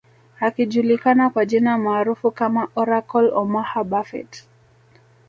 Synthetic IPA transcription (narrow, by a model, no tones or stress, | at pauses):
akiʄulikanakwaʄinamaːɾufukamaʔɔɾakɔlɔmahaɓafɛ̰t